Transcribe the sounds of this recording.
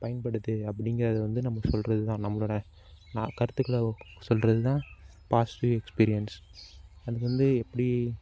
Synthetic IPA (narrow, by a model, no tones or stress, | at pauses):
pɐjɐnpɐɽɯðɯɐpːɐɽɪŋɡɪɾɐːðɐʋɐnd̪ɯnɐmːɐsɔlɾɐðɯt̪ãːnɐmːɐɭoːɽɐ | nːkɐɾɯt̪ːɯkːɐɭɐsɔlɾɐðɯt̪ãː | paːsʈuːɛkspiːɾɪjɐns | ɐðɯkːʋɐnd̪ɯɛpːɐɽi